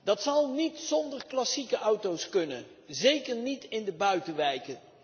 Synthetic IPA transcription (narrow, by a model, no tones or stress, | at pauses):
d̥ɑtsɑlˠnitsɔndəɹklɑsikəʔʌwtowskɵnən | zejkəɹnitɪndəbœɥtəʋɛjkə